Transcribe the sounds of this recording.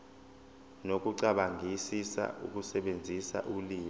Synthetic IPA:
nok̬ʼuǀaɓaŋʱisisa̰ʔṵk̬ʼusɛɓend͡zʱisa̰ʔuliːmɔ

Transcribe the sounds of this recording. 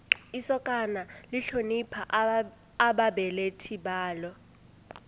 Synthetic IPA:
isɔkʼanaliɬonipʰaː | ɓaɓɛletʰiɓaːlɔ

